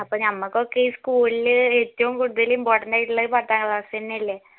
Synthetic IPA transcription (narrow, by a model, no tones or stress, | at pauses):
ɐpːoːnɐmːɐkːokːeiːskuːlilɨetːɐʋumkuɽuðɐlimpoːrʈɐɳɖaːjiʈːuɭːɐðɨpɐrt̪ːaːŋɡɭɐsenːɐlːe